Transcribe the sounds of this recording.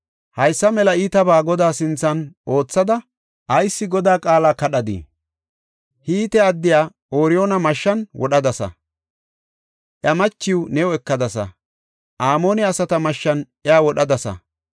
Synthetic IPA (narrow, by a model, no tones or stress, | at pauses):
hɐjsːɐmɛlɐiːt̪ɐbaːɡɔd̪aːsɪnt͡sːɐno̞ːt͡sːɐd̪ɐ | ʔɐjsːɪɡɔd̪aːkʼaːlaːkɐɗɐd̪ḭ | hiːt̪ɛɐd̪ːɪjaː | oːɾɪjoːnɐmɐʃːɐnwʔɔɗɐd̪ɐsɐ̰ | ʔjɐmɐt͡ʃːɪwnɛɔɛkːɐd̪ɐsɐ̰ | ʔaːmoːnɛɐsɐt̪ɐmɐʃːɐn | ɛaːwɔɗɐd̪ɐsɐ̰